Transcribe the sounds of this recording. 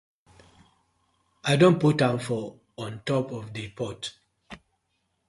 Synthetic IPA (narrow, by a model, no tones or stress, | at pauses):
aɪdõn̚putãmfɔ | ɔ̃ntɔpɔfdipʰɔt